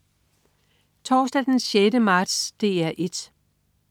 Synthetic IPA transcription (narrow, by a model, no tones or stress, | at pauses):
t͡sʰɒːsd̥æd̥enɕjedəmɑ̈ːd̥sd̥e̝̰ːæɐʔe̝d̥